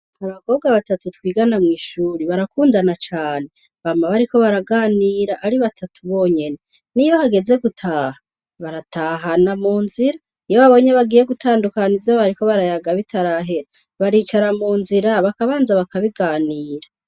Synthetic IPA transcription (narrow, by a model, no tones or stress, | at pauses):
aβako̞ːb̚ɡaβatatutwiːɡanamŋiːʃuːɾiβaɾakuːndanat͡ʃaːne̞ | βamaβaɾiko̞βaɾaɡaːniːɾaʔaɾiβatʰatʰuβo̞ːɲe̞ne̞ | niβahaɡe̞ze̞ɡutʰaːha | βaɾatʰaːɦanamuːnziɾa | ijoβaβo̞ɲeβaɡiːje̞ɡutaːndukanivjoβaɾiko̞βaɾajaɡaβitʰaɾaɦeɾa | βaɾiːt͡ʃaɾamuːnziɾaβakaβaːnzaβakaβiɡaːniːɾa